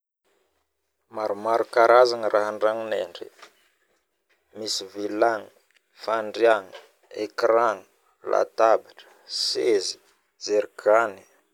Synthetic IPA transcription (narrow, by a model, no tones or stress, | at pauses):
maɾumaɾukaɾazaŋərʔaɦaɳɖ͡ʐaŋineɳɖ͡ʐḭ | misivilaŋi | faɳɖ͡ʐijaŋi | ekraŋi̥ | la̰t̪abaʈ͡ʂə̥sezi̥ | zeɾukʰani̥